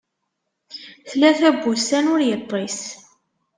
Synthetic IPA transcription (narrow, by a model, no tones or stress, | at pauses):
θlæθæbːusænʊɾjət̪ˤːis